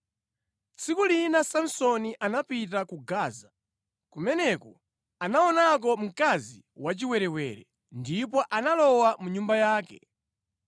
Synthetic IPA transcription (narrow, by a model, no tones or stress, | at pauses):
t͡sikulinasam̩sɔniʔanapit̬akuɡaːza | kumɛnɛkɔ | anaɔnak̬ɔm̩kazi | wat͡ʃiwɛɾɛwɛɾɛ | ndipɔʔanalɔwamuɲumbajaːkɛ̰